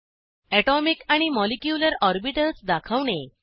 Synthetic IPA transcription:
ɛʈɔmikaɽ̃imɔlekjuləɾɔɾbiʈəsd̪akʰaʋɳe

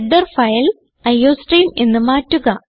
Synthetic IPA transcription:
ɖːɐrfɐjɐl | ɐjːoːsʈriːmenːɨmaːtːuɣɐ

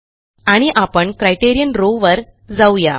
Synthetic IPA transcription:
aɽ̃iʔapəɳkɾajʈeɾijənɾoʋəɾ | d͡zawja

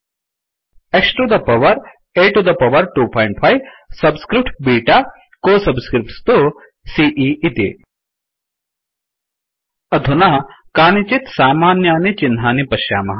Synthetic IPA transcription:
eksʈɾud̪ɐpɐʋɐɾ | eːʈud̪ɐpɐʋɐɾʈuːpʰɔːjɳʈ̚pʰajʋ | sɐbskɾip̚ʈbiːʈa | koːsɐbskɾip̚ʈst̪u | siːʔiʔit̪ḭ | ɐd̪ʱunakaːnit͡ʃit̪saːmaːnjaːnit͡ʃinɦaːnipɐʃja̰ːmɐɦɐ

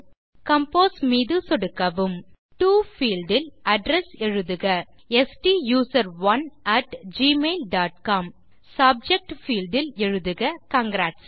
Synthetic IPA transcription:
kɐmpoːsmiːðɯsɔɽɯkːɐʋɯm | ʈuːfiːlɖɪlʔɐɖɾɛsɛɻɯðɯɣɐ | ɛsʈijuːsɐɾʋɐnʔɐʈd͡ʒiːmeːlɖaːʈkaːm | sɐb̚d͡ʒɛk̚ʈfiːlɖɪlɛɻɯðɯɣɐkɐŋɡɾaːʈs

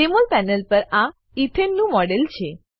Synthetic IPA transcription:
emolpɛnəlpəɾa | it̪ʰenːũmɔɽelt͡ʃʰe

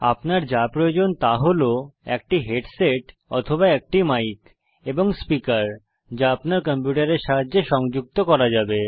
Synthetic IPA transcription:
apnaɾd͡ʑapɾood͡ʑont̪aɦoloɛ̰k̚ʈiɦeɖseʈ | ɔt̪ʰobaɛk̚ʈimajk | eboŋspikaɾ | d͡ʑaapnaɾkɔmpjuʈaɾeɾʃaɦad͡ʑːeʃɔŋd͡ʑuk̚t̪okɔɾad͡ʑabe

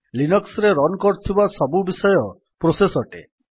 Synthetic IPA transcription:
linɔksɾeɾɔnkɔɾt̪ʰibasɔbubisɔjɔ | pɾosesɔʈḛ

